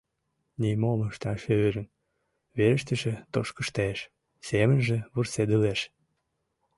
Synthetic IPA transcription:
nimoməʃt̪ɑʃøøɾə̆n | βeɾə̆ʃt̪əʃĕt̪oʃkəʃt̪eʃ | semənʒĕβursed̪əleʃ

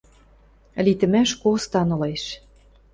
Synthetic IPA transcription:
lit̪ɘ̆mæʃkost̪ɑnɤ̆leʃ

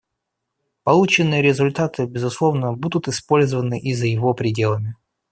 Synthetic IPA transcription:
pɐlˠut͡ɕɪnːɨjəɾʲɪzʊlʲt̪at̪ɨbʲɪzʊslˠo̞vnəbud̪ʊt̪ɨspo̞lʲzəvənɨʔizəjɪvo̞pɾʲɪdʲe̞lˠəmʲɪ

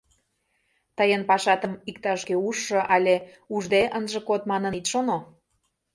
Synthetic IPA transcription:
t̪əjənpɑʃɑt̪əmik̚t̪ɑʃkeuʃːɤʔɑlʲe | uʒd̪eʔənʒə̆kot̪mɑnənit̪ʃono

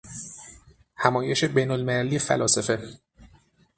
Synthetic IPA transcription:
hæmɒːje̞ʃe̞bejnolmelæliːjefæ̰lɒːsefe̞

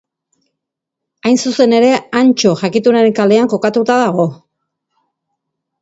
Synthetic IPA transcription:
ajnsuse̞ne̞ɾe̞ant͡ʃo̞ʝakit̪unaɾe̞ŋkale̞aŋko̞kat̪ut̪aðaɣ̞o̞

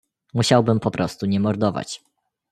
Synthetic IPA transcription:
muɕawbɘmpɔpɾʔɔst̪uɲɛmɔɾd̪ɔva̰t͡ɕ

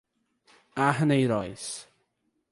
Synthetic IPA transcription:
aɦənejɾɔjs

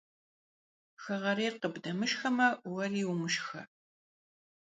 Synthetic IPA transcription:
xɐʁɐɾeːrqəbdɐmɨʃxɐmɐwɐriːwʊmɨʃxɐ̰

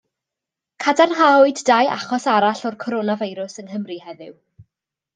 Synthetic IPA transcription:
kʰadanɦaʊɨddaja̰χɔsaɾaɬɔrkʰɔɾonavajɾʊsənhəmrihɛðɪw

